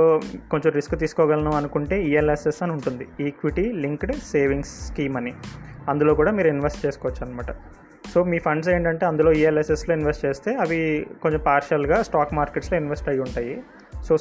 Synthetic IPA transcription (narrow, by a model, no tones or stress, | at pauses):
oːkoɲt͡ʃomɾiskt̪iːsu̥kɔːɡɐlɐnɐɐnukuɳʈe̞ːiːelesesɐnuɳʈund̪iiːkʋiʈiliŋkɖseːʋiŋskiːmɐniɐnd̪ulo̞ːkuːɽaːmiːɾuinʋesʈ̚t͡ʃeːsu̥kɔːʋɐt͡ʃːuɐnimaːʈɐ | so̞ːmiːpʰɐɳɖs̬e̞ːɳʈɐɳʈeːɐnd̪ulo̞ːiːeleseslo̞ːinʋesʈt͡ʃe̞ːst̪e̞ːɐʋiko̞ɲt͡ʃompaːɾʃɐlɡaːsʈaːkmaːɾkeʈslo̞ːinʋesʈɐjuɳʈaːji | so̞ː